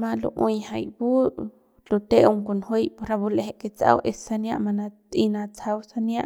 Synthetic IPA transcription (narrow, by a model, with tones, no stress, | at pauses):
mã˧lṵ˧ʔũ˧jha˧jbu˦ | lu˧t̪e˦u˧ŋku˧nhu˦jpu˧ɾa˧bu˧le˧ɦe˧ʔke˧t͡sa̰˧wʔe˧sa˧nja˦˧ʔma˧na˧t̪i˧na˧t͡sa˧wsa˧nja˦ʔ